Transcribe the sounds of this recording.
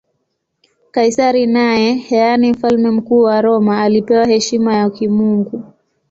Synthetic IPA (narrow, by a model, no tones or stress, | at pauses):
kaisaɾinaɛhɛanim̩falmɛm̩kuːwaɾɔmaːlipɛwahɛʃimajakimuŋɡu